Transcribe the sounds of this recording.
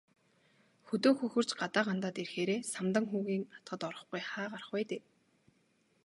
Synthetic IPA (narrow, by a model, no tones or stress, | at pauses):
xɵt̪oːxɵxɵ̆r̥t͡ɕɢat̪aːʁant̪aːt̪erxeːɾeːsamt̪ə̆ŋxuːɣiːŋat̪ɢə̆t̪ɔɾɞ̆χɡujχaːɢarə̆χwæːt̪eː